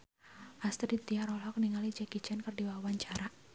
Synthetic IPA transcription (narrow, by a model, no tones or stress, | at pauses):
ʔast̪ɾit̪iaɾɔlɔk̚niŋalid͡ʒɛkit͡ʃɛnkərdiwawaɲt͡ʃaɾa